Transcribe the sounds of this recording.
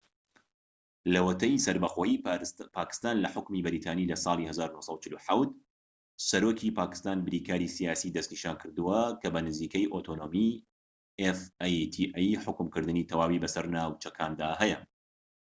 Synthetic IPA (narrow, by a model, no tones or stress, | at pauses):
lɐwɐt̪ɐjsɐɾbɐxoːjipʰaːkɨ̥st̪aːnlɐħʊkmibɨɾit̪ʰaːniːlɐsˤɑːlˠihɐzaːɾunohsˤɑwt͡ʃɪluħawt̪̚ | sɐɾokʰipʰaːkɨ̥st̪aːnbɨɾiːkaːɾisijaːsiːd̪ɐst̪niːʃaːnkʰɨɾd̪ɨwɐkʰɐbɐnɨziːkɐjʔot̪ʰoːnomi | efajt̪ʰiʔjħʊkɨmkɨɾd̪ɨnit̪ʰɐwaːwibɐsɐɾnaːwt͡ʃɐkʰaːnd̪aːhɛjɐ